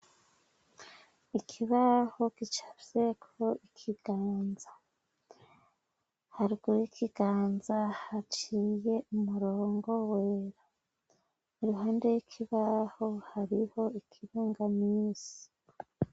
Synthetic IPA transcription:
ikʰiβaho̞kit͡ʃḁvje̞kʰoikʰiɡ̥aːnza | haɾiɡuɾikʰiɡ̥aːnzahat͡ʃiːje̞ʔumuɾo̞ːŋɡo̞weːɾa | niɾuɦaːndejwikʰiβahohaɾiho̞ikʰiɾuːŋɡamiːsi̥

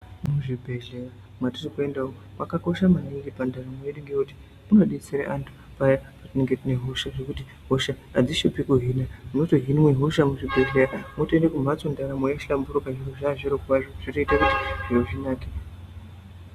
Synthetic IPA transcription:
muʐibʱe̞ɮeja | matirikue̞ndao | makako̞ʃamaniŋɡipandaramojeɗiŋɡeoti̥ | muno̞ɗiit͡siɾḛʔantʰu̥ | pajapatine̞ŋɡetineɦuʃaʐekuti | ɦoʃaːd͡ziʃupikuɦinamunotoɦinmweɦuʃamuʐibʱe̞ɮejamotendekum̤at͡so̞ndaɾamojaʃambuɾokaʐiroʐaʐiɾokwaʐoʐitoitakuti̥ʐ̥iroʐinaːki̥

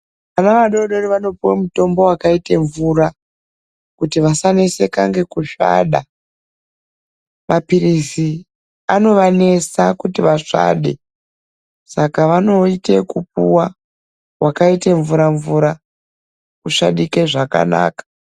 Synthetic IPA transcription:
ʋanaʋaɗo̞ɗo̞riʋano̞piwemuto̞mbo̞wakaite̞ɱvuɾa | kutiʋasanese̞kaŋɡe̞kuʃa̰ːɗa | mapiɾisi | ano̞ʋane̞sakutiʋaʂa̰ːɗḛ | sakaʋano̞ite̞kup̚uwa | wʔakaiteɱvuɾaɱvuɾa | kuʂaɗikeʐaka̰na̰ːkḁ

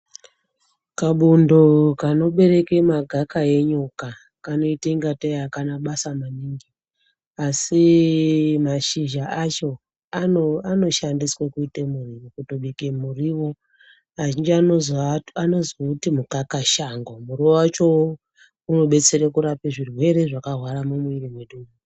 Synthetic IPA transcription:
kaɓundokano̞ɓe̞ɾe̞kemaɡʱakae̞ɲuka | kano̞iteiŋɡatejakanaɓasamaniːŋɡi | asi | maʃiʒaʔat͡ʃo̞ | aano̞ʃandiswekuitemuriʋokutoɓikemuriwo̞ | aʒind͡ʒianozano̞zoutimukakaʃaŋɡomuriwowat͡ʃo̞ | uno̞ɓe̞t͡se̞ɾekuɾapeʐirwe̞ɾe̞ʐakarwaɾamumuirimweɗumu

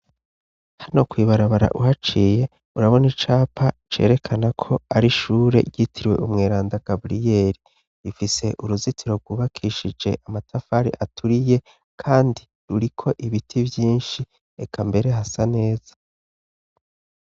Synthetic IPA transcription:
haino̞kwiːβaɾaβaɾa̰ʔuhat͡ʃiːje̞ | uɾaβo̞nit͡ʃaːpʰat͡ʃe̞̰ːɾe̞kʰanakʰo̞aɾiʃuːɾe̞̰ɟitʰiɾwe̞̰ʔumŋeːɾaːndaɡ̥abɾije̞ɾi | ɾifise̞ʔuɾuzitʰiɾo̞ɡuːβakʰiːʃid͡ʒe̞ʔamatʰafaɾḭʔatʰuɾije̞ | kʰaːndi | ɾuɾikʰo̞ʔiβitʰibjiːnʃi | ekʰambe̞ɾe̞ɦasane̞ːz̥ḁ

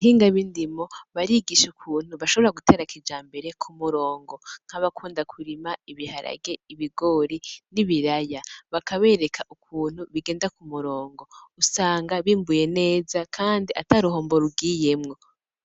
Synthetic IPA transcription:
hiːŋɡaβindimo̞βaɾiɡiʃukʰuːn̥huβaʃo̞βoɾaɡutʰe̞ːɾakid͡ʒaːmbe̞ɾe̞kʰumuɾo̞ːŋɡo̞ŋ̥aβakʰuːndakʰuɾimaiβihaɾa̰ɡe̞iβiɡo̞ɾiniβiɾajaβakʰaβe̞ːɾekʰaʔukʰuːn̥huβiɡeːndakumuɾo̞ːŋɡo̞usaːŋɡaβiːmbuje̞ne̞ːzakʰaːndiʔataɾuɦo̞ːmbo̞ɾuɡiːje̞mŋo̞

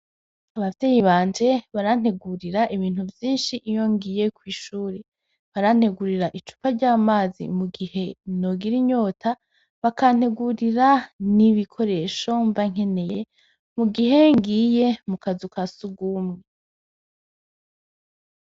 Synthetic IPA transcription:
aβavtejiβaːnd͡ʒe̞βaɾan̥e̞ɡuɾiɾaʔiβiːn̥huvjiːnʃiʔijo̞ŋɡije̞kwiːʃuːɾe | βaɾan̥he̞ɡuɾiɾaʔit͡ʃu̥paɾɟaːmaːzḭmuɡihe̞no̞ɡiɾiɲo̞ːtʰa | βakan̥he̞ɡuɾiɾaniβikʰo̞ɾe̞ʃo̞ɱvaŋ̥e̞ne̞je | muɡiɦe̞ŋɡiːje̞mukazukasuɡumŋe

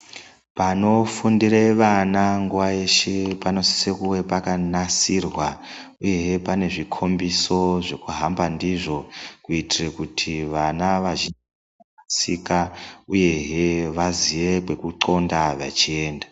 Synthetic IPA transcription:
pano̞fundireʋanaŋɡuʋae̞ʃepano̞si̥sekuwe̞pakanasirwa | uje̞ɦepane̞ʐikʰo̞mbiso̞ʐe̞kuɦambandiʐo̞kuitirekutʰiʋanaʋaʒin | aasikauje̞ɦeʋaziʋe̞kwe̞kuǃo̞ndaʋa̰t͡ʃie̞ːnda

